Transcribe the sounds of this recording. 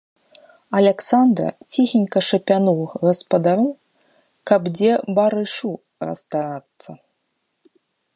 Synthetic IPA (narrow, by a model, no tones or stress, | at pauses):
ɐlʲɛksand̪ɾɐ̰t͡sʲixʲinʲkɐʂɐpʲanuwɣɐspɐd̪aɾɨw | kɐbd͡zʲɛbaɾɨʂu | rɐ̰st̪aɾat̪sːɐ